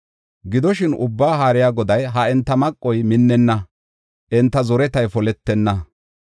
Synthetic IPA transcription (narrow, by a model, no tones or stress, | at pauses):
ɡɪd̪ɔʃɪnʊbːaːɦaːɾɪjaːɡɔd̪ɐjɦɐɛnt̪ːɐmɐkʼːɔjmɪnːɛnːɐ | ʔɛnt̪ːɐzɔɾɛt̪ɐjfɔlɛt̪ːɛnːɐ